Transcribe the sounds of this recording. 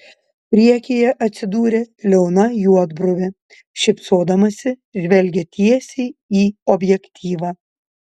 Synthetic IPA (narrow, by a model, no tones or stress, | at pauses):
pʲɾʲiɛkʲeːjɛʔɐt̪ʲsʲɪd̪uːɾʲeːlʲɛʊnɐjuɔd̪bɾʊʋʲɛ | ʃʲɪpsoːd̪ɐmɐsʲɪʒʲʋʲɛlʲɡʲet̪ʲiɛsʲɛɪiːɔbʲjɛkʲt̪ʲʰiːʋɑː